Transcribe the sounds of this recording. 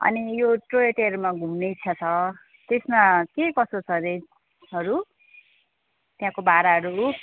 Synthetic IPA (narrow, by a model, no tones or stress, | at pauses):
ʌ̰nijoʈrojeʈeʌɾumaɡʱumnejt͡sʰʌt͡sʰʌ | t̪esmakekʌsot͡sʰʌɾe | ɦʌɾu | t̪jãkobaɾaɦʌɾu